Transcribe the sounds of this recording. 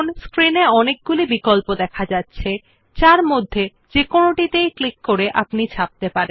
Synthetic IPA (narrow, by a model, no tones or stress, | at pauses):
nskɾineɔnek̚ɡulibikolpod̪ɛkʰad͡ʑatːɕʰe | t͡ɕaɾmod̪ʱːe | d͡ʑekonoʈit̪ejklikːoɾeʔapnit͡ɕʰap̚t̪epaɾen